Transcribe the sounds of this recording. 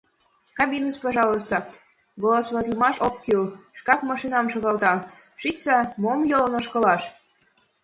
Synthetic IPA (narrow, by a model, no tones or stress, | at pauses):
kɑbʲinəspɑʒɑlos̬t̪o | ɡolˠosβɑt̪lmɑʃokːylʃkɑkmɑʃinɑmʃoɣɑlt̪ɑ | ʃitʲt͡sɑmomjolnoʃkɤ̆lɑʃ